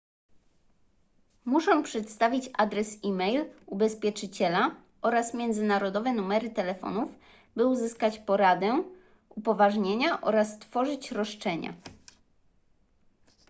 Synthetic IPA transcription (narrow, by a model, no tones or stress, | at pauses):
muʂɔ̃w̃pʂɛt̪st̪avʲit͡ɕad̪ɾɛsimɛjlubɛspʲjɛt͡ʂɘt͡ɕɛla | ʔɔɾasmʲjɛnd̪zɘnaɾɔd̪ɔvɛnumɛɾɘt̪ɛlɛfɔ̰nuf | bɘuzɘskat͡ɕpɔɾad̪ɛ | upɔvaʐɲeɲaʔɔɾast̪fɔʐɘt͡ɕɾɔʂt͡ʂɛɲa̰